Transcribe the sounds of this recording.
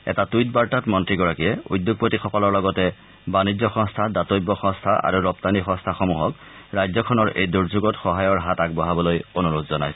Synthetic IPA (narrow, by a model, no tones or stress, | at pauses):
ɛ̰tatujtbaɹtatmɔntɹiɡɔɹakijɛṵjdːoɡ̚potixɔkɔlɔɹlɔɡɔtɛ | banizɔxɔ̃ŋstʰadatojbːɔxɔ̃ŋstʰaʔa̰ɹuɹɔp̚tanixɔ̃stʰaxomuɦɔk | ɹajzɔkʰɔnɔɹḛjduɹzuɡɔtxɔɦajɔɹɦatakbɔɦabɔlojonuɹudzɔna̰jsɛ̥